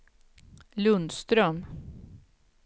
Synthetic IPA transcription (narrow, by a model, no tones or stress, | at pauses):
lɵnd̪st̪ɾœm